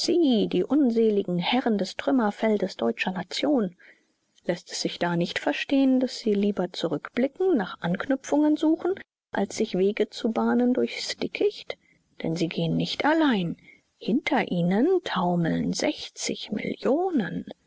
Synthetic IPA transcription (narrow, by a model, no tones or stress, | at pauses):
z̥iːdiːʔʊnzeːlɪɡŋ̩hɛʁəndɛstʁ̥ʏmɐfɛldəsd̥ɔʏt͡ʃɐnat͡sjoːn | lɛstɛ̥sz̥ɪçd̥aːnɪçtfɛɐʃteːəndasz̥iːliːbɐt͡suʁʏkb̥lɪkŋ̩naːχʔanknʏp͡fʊŋənzuːχn̩ | ʔa̰lsz̥ɪçv̥eːɡət͡subaːnəndʊɐçstɪkʰɪçt | d̥ɛ̰nziːɡeːənːɪçtalaɪn | hɪntʰɐʔiːnəntʰaʊml̩nzɛ̰çt͡sɪ̰çmɪ̰ljoːnən